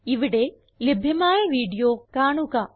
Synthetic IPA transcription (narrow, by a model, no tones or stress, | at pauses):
iʋiɽe | libʱjɐmaːjɐʋiːɖijoːkaːɳukaː